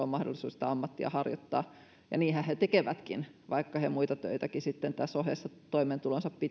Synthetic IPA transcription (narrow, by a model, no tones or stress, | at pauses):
omɑhdo̰lːˑisuːsi̥t̪ɑɑmːɑt̪ːiɑ̰hɑrjot̪ːɑ̰ː | jɑ̰niːhæhet̪ekeʋæt̪kinʋɑikːɑhemuit̪ɑt̪ø̰it̪ækisit̪ːent̪æsːohḛːsːɑt̪oiment̪ulonsɑppi